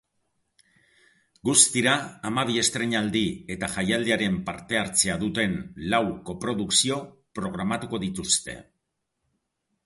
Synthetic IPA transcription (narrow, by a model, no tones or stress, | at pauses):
ɡust̪iɾaːmaβ̞ie̞st̪ɾe̞ɲald̪ie̞t̪aʝajald̪eaɾe̞mpaɾt̪e̞aɾt͡se̞aðut̪e̞nlawko̞pɾo̞ðuksio̞pɾo̞ɣ̞ɾamat̪uko̞ðit̪ust̪e̞̰